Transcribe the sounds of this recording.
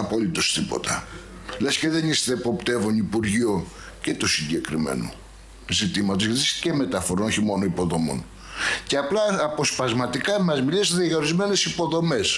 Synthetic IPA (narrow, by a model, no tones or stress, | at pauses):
ɐpolit̪o̞st̪ipo̞̰t̪ɐ | le̞sceðe̞nist̪eːpo̞pt̪e̞vonipuɾʝio̞ | cet̪osiɲɟe̞kɾimḛno̰ | zit̪imɐt̪o̞zʝɐt̪iisceme̞t̪ɐfo̞ɾo̞no̞çimo̞no̞ipo̞ðo̞mo̞̰n | ceɐplɐːpo̞spɐzmɐt̪ikɐmɐzmilesðiɣɐoɾizme̞ne̞sipo̞ðo̞me̞s